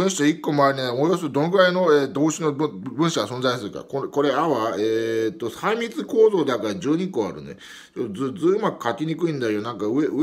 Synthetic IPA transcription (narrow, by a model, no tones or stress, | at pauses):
ɯ̃ɰ̃ɕi̥t̪ikːo̞moaɾʲinaomojɾos̬t̪od̪o̞no̞ɡɯ̟ɾaino̞eːd̪o̞ːɕino̞ɯbɯ̟̃ɰ̃ɕaɡasõ̞nzaisɨɾɯ̟ka̰koko̞ɾe̞aβaet̪ːo̞saimʲit͡sɨko̞ːzo̞ːd̪akaɾad͡ʑɨːɲ̟ĩkoːa̰ɾɯ̟̰nḛ | t͡ɕotːozɨd͡zɨɯmakɯ̟̥kakʲiɲ̟ikɯ̟ĩnd̪ajonãŋkaɯ̟eɯ